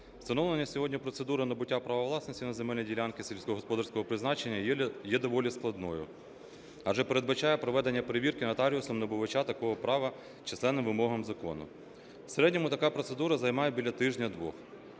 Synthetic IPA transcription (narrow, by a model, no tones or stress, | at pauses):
st̪ɐnɔʋlˠenʲːɐsʲɔɦɔdʲnʲipɾɔt̪sed̪uɾɐnɐbʊtʲːapɾɐʋɐʋlˠɑsnɔsʲtʲinɐzemɛlʲnʲidʲilʲankɪsʲelʲsʲkɔɦɔspɔd̪ɑɾsʲkɔɦɔpɾɪznɑt͡ʃe̞nʲːɐjɛd̪ɔʋɔlʲisklˠɐd̪nɔjʊ̰ | ɐʒɛpeɾed̪bɐt͡ʃɑjɛpɾɔʋɛd̪enʲːɐpeɾeʋʲirkɪnɐt̪ɑɾʲiʊsɔmnɐbʊʋɐt͡ʃat̪ɐkɔɦɔpɾɑʋɐ | t͡ʃɪslˠɛnːɪmʋɪmɔɦɐmzɐkɔ̰nʊ̰ | seɾɛdʲnʲɔmʊt̪ɐkɑpɾɔt̪sed̪uɾɐzɐjmɑjɛbʲilʲɐt̪ɪʒnʲɐd̪ʋɔ̰x